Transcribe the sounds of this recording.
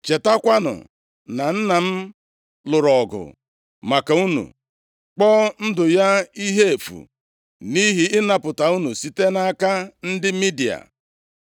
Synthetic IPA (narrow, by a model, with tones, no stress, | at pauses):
t͡ʃe˨ta˦kʷa˦nʊ̰˨ | na˨n̩˦na˨m̩˦ | lʊ˨ɾɔ˨ɡʊ̰˨ | ma˨ka˨u˦nṵ˨ | k͡pɔ˦n̩˦dʊ˨ja˦i˦ɦe˦e˨fṵ˨ | ni˦ɦi˨ɪ˦na˨pʊ˨ta˨u˦nu˨si˨te˦na˦ka˦n̩˦dɪ˦mi˦di˨a̰˨